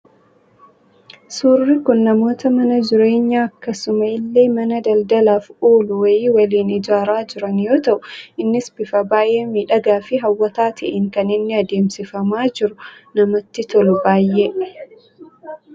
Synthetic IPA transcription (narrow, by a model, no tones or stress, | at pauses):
suːrːikʊnːɐmo̞ːt̪ɐmɐnɐd͡ʒɪɾe̞ːɲːaːɐkːɐsʊmɐɪlːeːmɐnɐd̪ɐld̪ɐlaːfuːlʊwɐjiːwɐliːnɪd͡ʒaːɾaːd͡ʒɪɾɐnjo̞ːt̪ɐʔʊɪnːɪsbɪfɐbaːʔeːmiːᶑɐɡaːfɪɦɐwːɐt̪aːt̪ʰɐʔɛŋkɐnɪnːɪɐd̪e̞ːmsɪfɐmaːd͡ʒɪɾʊnɐmɐt̪ːɪt̪ɔlʊbaːjːe